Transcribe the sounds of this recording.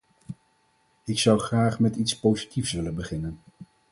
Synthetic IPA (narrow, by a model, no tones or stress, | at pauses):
ɪksʌwχraːχmɛtitspowzitifsʋɪlənbəχɪnən